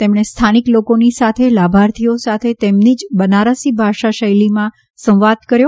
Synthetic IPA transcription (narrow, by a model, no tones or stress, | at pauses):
t̪emɳ̃est̪ʰaniklokonisat̪ʰelabʱaɾt̪ʰiosat̪ʰet̪emnid͡ʒbənaɾəsibʱaʃaʃəjlimã | sə̃w̃ʋad̪kəɾjo